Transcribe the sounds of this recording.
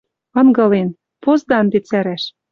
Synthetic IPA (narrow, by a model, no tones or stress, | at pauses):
ɤ̆nɡɤ̆len | pozd̪ɑnd̪et͡sæɾæʃ